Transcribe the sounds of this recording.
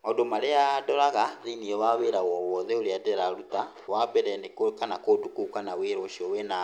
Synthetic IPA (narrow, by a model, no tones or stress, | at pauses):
madomaɾejadɔɾaɣaðiniɛwaβeɾawɔwɔðɛoɾiadɛɾaɾuta | wabɛɾɛndekokanakodukukanaweɾɔʃiɔwena